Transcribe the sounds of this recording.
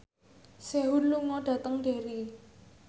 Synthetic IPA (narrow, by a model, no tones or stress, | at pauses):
seɦʊnluŋɔɖ̥ä̤t̪əŋɖ̥e̤ɾi